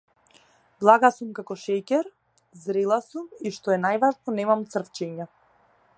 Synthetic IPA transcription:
blˠaɡasumkakɔʃɛcɛɾ | zɾɛlˠasumiʃt̪ɔɛnajvaʒnɔnɛmamt̪sr̩ft͡ʃɛɲa

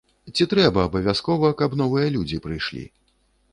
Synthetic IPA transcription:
t͡sʲit̪ɾɛbɐːbɐvʲaskɔvɐkɐbnɔvɨjɐlʲud͡zʲipɾɨjʂlʲḭ

